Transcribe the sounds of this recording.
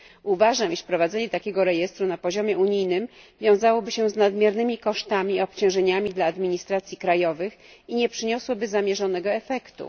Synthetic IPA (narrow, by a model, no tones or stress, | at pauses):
uvaʐamiʂpɾɔvad̪zɛɲɛt̪akʲɛɡɔɾɛjɛst̪ɾunapɔʑɔmʲjɛuɲijnɘm | vʲjɔ̃w̃zawɔbɘɕɛznad̪mʲjɛɾnɘmʲikɔʂt̪amʲiɔpt͡ɕɔ̃w̃ʐɛɲamʲid̪laːd̪mʲiɲist̪ɾat̪sʲjikɾajɔvɘxiɲɛpʂɘɲɔswɔbɘzamʲjɛʐɔnɛɡɔɛfɛkt̪ṵ